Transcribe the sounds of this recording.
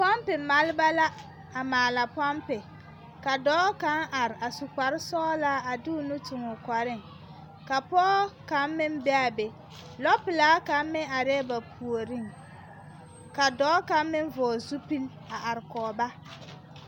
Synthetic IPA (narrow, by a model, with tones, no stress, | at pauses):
pa˦mpɪ˨ma˦lba˦la˦ | a˨maː˨la˨pɔ˦mpɪ˨ | ka˨dɔː˨˦ka˦ŋʔa˨ɾɪ˨ʔa˨sʊ˨ka˨ɾɪ˦sɔː˦laː˦a˨dɪ˦ʊ˨nʊ˦tʊ˨ŋʊ˨kʷa˨ɾɪ˦ŋ | ka˨pɔː˦ka˨˦mmɪ˦mbɛ˦a˨be˨ | lɔ˦pɪ˨laː˨˦ka˦mmɪ˦a˨ɾɛ˦ba˨pʰu˨o˨ɾi˦˨ŋ | ka˨dɔː˦ka˨˦mmɪ˦ɱ˦vɔː˨zu˦pi˦l | a˨ʔa˨ɾɪ˨kɔː˨ba˦